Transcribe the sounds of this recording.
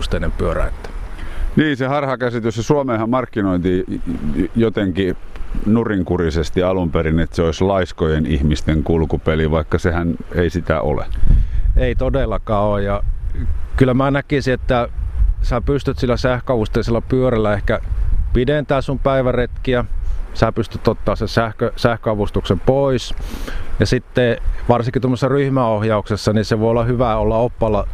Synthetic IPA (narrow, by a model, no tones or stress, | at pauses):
st̪eˑinempyøræ̰et̪ːæ̥niːnsehɑrhɑkæsit̪yssesuomeːhɑmmɑrkːinoint̪i | jot̪eŋkinuriŋkurisest̪iɑlumperinet̪seoislɑiskojenihmist̪eŋkulkupeliʋɑikːɑsehæneisit̪æ̰ʔo̰lḛ | eit̪odelːɑkɑːojjɑ | kylːæmæːnækisiet̪ːæsæːpyst̪yt̪silːæsæhkøɑʋust̪eiselːɑpyørelːæehkæpideˑnt̪æːssumpæiʋæret̪kiæsæːpyst̪yt̪ot̪ːɑːsesæhkøsæhkøɑʋust̪uksempois | jɑsit̪ːeʋɑrsiŋkit̪omːosesːɑryhmæohjɑuksesːɑniseʋoˑiolːɑhyʋæolːɑopːɑlːɑ